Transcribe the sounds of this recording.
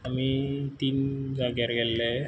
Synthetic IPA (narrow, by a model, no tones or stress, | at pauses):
amit̪ind͡ʒaɡijaɾɡɛlːe